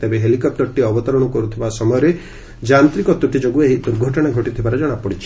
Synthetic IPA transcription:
t̪ebeɦelikɔp̚t̪ɔɾʈiɔbɔt̪ɔɾɔɽ̃ɔkɔɾut̪ʰibasɔmɔjɔɾe | d͡ʒant̪ɾikɔt̪uʈid͡ʒoɡueɦid̪uɾɡʱɔʈɔɽ̃aɡʱɔʈit̪ʰibaɾɔd͡ʒɔɽ̃apɔɽit͡ʃʰi̥

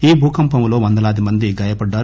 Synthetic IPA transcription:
iːbʱuːkɐmpɐmlo̞ːʋɐnd̪ɐlaːd̪imɐnd̪iɡɐjɐpɐɖːaːɾ

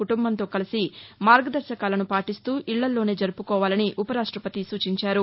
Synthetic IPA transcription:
kuʈumbɐnt̪o̞ːkɐlisimaːɾɡɐd̪ɐɾʃɐkaːlɐnupaːʈist̪uːʔiɭːɐlːo̞ːne̞ːd͡ʒɐɾupukɔːʋaːlɐniʔupɐɾaːʂʈɾɐpɐt̪isuːt͡ʃiɲt͡ʃaːɾu

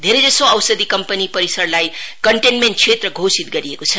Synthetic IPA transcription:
d̪ʱeɾed͡zʌsoawsəd̪ʱikʌmpənipʌɾisʌrlajkʌɳʈenmeɳʈ̚t͡sʰet̪rʌɡʱosit̪ɡʌɾiekot͡sʰʌ

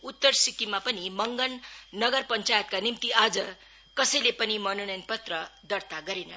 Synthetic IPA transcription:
ut̪ːʌrsikimapʌnimʌŋɡʌnːʌɡʌrpʌnt͡sajʌt̪̚kanimt̪iad͡zʌ | kʌsʌjlepʌnimʌnonʌjnpʌt̪rʌd̪ʌrt̪aɡʌɾenʌ

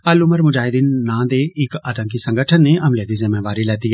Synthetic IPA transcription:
əlʊməɾmʊd͡ʒaːɦɪd̪iːnːãːd̪eɪkəd̪ə̃ŋkisə̃ŋɡəʈʰənːeʔɐmled̪izɪmeːʋaːɾilɛːt̪iɦɛ

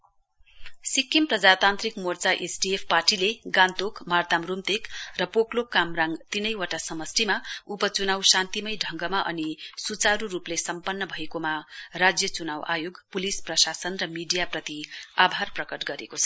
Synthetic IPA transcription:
sikːimprʌd͡zat̪ant̪rikmort͡saʔesʈiepʰparʈileɡant̪okmart̪amrumt̪ekrʌpoklokːamraŋɡt̪inʌjwʌʈasʌmʌsʈimaupʌt͡sunawsãnt̪imʌjɖʱʌŋɡʌmaʔʌ̰nisut͡saɾuɾuplesʌmpʌnːʌbʱʌekomarad͡zjʌt͡sunawʔa̰joɡpulisprʌsasʌnrʌmiɖijaprʌt̪iabʱarprʌkʌʈɡʌɾḛkot͡sʰʌ

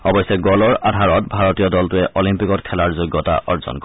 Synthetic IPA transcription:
ɔbɔjsɛɡɔlɔɹadʱaɹɔt̚bʱaɹɔtijɔdɔltʊɛʔɔlimpikɔtkʰɛlaɹzoɡɔta̰ʔɔɹzɔ̰nkɔ

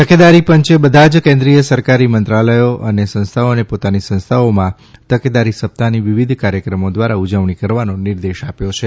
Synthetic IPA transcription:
t̪əked̪aɾipəɲt͡ʃebəd̪ʱad͡ʒkẽnd̪ɾijəsəɾkaɾimənt̪ɾaləjoʔənesə̃nst̪ʰaonepot̪anisə̃nst̪ʰaomã | t̪əked̪aɾisəp̚t̪ʰaniʋiʋid̪ʱkaɾjəkɾəmod̪ʋaɾaud͡ʒəʋɳikəɾʋanoniɾd̪eʃapjot͡ʃʰe

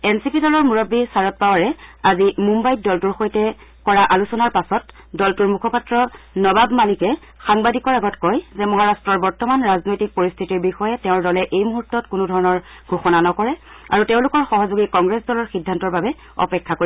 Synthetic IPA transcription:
ɛnsipidɔlɔɹmuɹɔbːisaɹɔt̚pawaɹɛazimumbajt̚dɔltuɹxojtɛ | kɔɹaʔalusɔnaɹpasɔt | dɔltuɹmukʰɔpatɹɔnɔbabmalikɛ | xaŋbadikɔɹaɡɔtkɔjzɛmɔɦaɹastɹɔɹbɔɹtɔmanɹaznojtik̚poɹist̪ʰitiɹbixɔjɛtɛʊ̃ɹdɔlɛʔejmuɦutːɔtkunudʱɔɹɔnɔɹ | ɡʱoxɔnanɔkɔɹɛ | a̰ɹuteʊ̃lʊkɔɹxɔɦɔzoɡikɔŋɡɹɛsdɔlɔɹxidʱːantɔɹbabɛ | ɔ̰pɛkʰːakoɹi

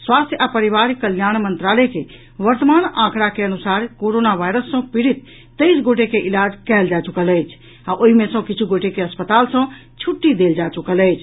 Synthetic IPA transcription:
swast̪ʰjəapəɾiʋaɾkəljanmənt̪ɾalɛke | ʋəɾt̪əmanãkɾakeənusaɾkoɾonaʋajɾəsːə̃piɾit̪ː | əjsɡoʈ̬ekeʔilad͡ʒkɛld͡ʒat͡ʃukələjt͡ʃʰ | aʔoɦimesə̃kit͡ʃʰuɡoʈekeəspət̪alsə̃t͡ʃʰuʈːid̪eld͡ʒat͡ʃukələjt͡ʃʰ

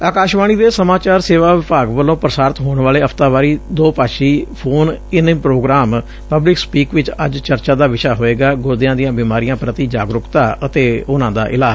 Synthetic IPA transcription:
aːkaːʃʋaːɽ̃iːd̪eːsəmaːt͡ʃaːɾseːʋaːʋɪpaːɡʋəlːõːpɾəsaːɾt̪ɦoːɳʋaːleːəpʰt̪aːʋaːɾiːd̪oːpaːʃiːpʰoːnɪnmpɾoːɡɾaːm | pəblɪkspiːkʋɪt͡ʃə̰d͡ʒt͡ʃəɾt͡ʃãːd̪aːʋɪʃaːɦoːeːɡaːɡoːd̪ɪjãːd̪ijãːbiːmaːɾijãːpɾət̪iːd͡ʒa̰ːɡɾʊkt̪aːət̪eːʊnãːd̪a̰ːʔɪ̰laː

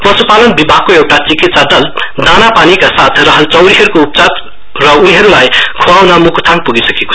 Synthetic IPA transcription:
pʌsupalʌnbibʱaɡ̚koewʈat͡sikit̪̚saɖʌld̪anapanikasat̪ʰrʌɦʌlt͡sʌwɾiɦʌɾukoup̚t͡sat̪ | rʌuniɦʌɾulajkʰuawnʌmukʰt̪ʰaŋpuɡisʌkeko̥

